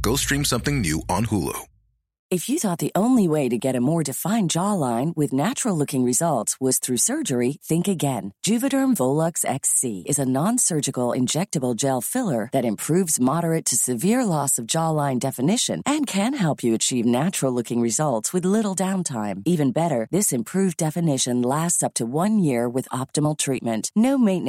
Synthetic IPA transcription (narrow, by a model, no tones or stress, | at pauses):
ɡ̥oʊstɹ̥ĩmsʌ̃mθɪ̃ŋnjʉʔə̰̃nhulˠo̰ʊ | ɨfjɨθɔt̪̚ðiʔõʊ̃nliweɪɾɨɡɛɾɨmɔɹdɨfãɪ̃nd͡ʒɔlãɪ̃nwɨðnæt͡ʃɹl̩ˠlʊkɪ̃ŋɹɨzʌlˠtswʌz̥θɹʉsɜ˞d͡ʒə˞iθɪ̃ŋkɨɡɛ̃nd̥ʒ̥ʉvɨɾə˞ɱvoʊlˠʌksɛ̰ksḭɨzənɑ̃nsɜ˞d͡ʒɨkl̩ˠɪ̰̃nd͡ʒɛk̚tɨbl̩ˠd͡ʒɛlˠfɪlˠə˞ðɨɾɨ̃mpʰɹ̥ʉvzmɑɾə˞ɨtʰɨsɨvɪɹlɔsʌvd͡ʒɔlãɪ̃ndɛfɨnɪʃɨ̰̃nʔɨ̃nkʰɨ̃nɦɛlˠpʰjɨɨt͡ʃʰivnæt͡ʃɹl̩ˠlʊkɪ̃ŋɹɨzʌlˠtswɨðlɪɾl̩ˠdãʊ̃ntʰãɪ̃mivɨ̃nbɛɾə˞ðɪsɨ̃mpʰɹ̥ʉvdɛfɨnɪʃɨ̃nlæstsʌp̚tʰəwʌ̃njɪɹwɨðɑp̚tɨml̩ˠtʰɹ̥it̚mɨ̃nʔnoʊmẽɪ̃n